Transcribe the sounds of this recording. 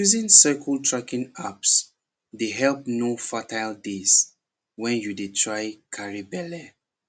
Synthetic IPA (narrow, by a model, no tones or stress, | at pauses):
juzĩnsakʰɔltʰɹakĩnaps | deɦɛlpnofatajldes | wɛ̃njudetʰɹajkʰaɹibɛlɛ